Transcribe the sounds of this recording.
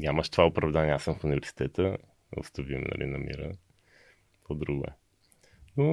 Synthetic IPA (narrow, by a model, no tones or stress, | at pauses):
ɲʲaməʃt̪ovaopɾɐvd̪aniɛasəmfunivɛɾsi̥t̪ɛt̪ə | o̰st̪əvimnɐ̰lʔḭnɐmḭɾə̰ | t̪vɔd̪ɾuɡʊɛ̰ | no